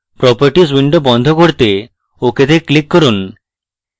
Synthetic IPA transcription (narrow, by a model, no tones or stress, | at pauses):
pɾɔpaɾʈis̬wiɳɖobɔnd̪ʱɔkoɾt̪e | oket̪eklikːɔɾun